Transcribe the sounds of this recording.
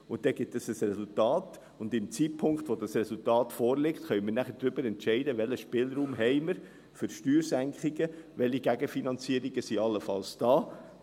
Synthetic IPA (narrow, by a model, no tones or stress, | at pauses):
ʊnt̚d̥ɛɡ̥ɪtəsəsɾɛsʊltɑːt | ʊndɪmt͡siːtpʰʊŋkχt̪ʋɔdɑsrɛsultɑːtfɔːɾlɪktχœʏmənæχəɾdɾʏbəɾɛntʃɛɪdəʋɛləʃpɪlɾuːmɦɛɪməɾ | fʏɾʃtyːɾsæŋkχiɡəʋɛliɡæɡəfinɑnt͡siːəɾiɡəsiɑlːəfɑlsd̥ɑː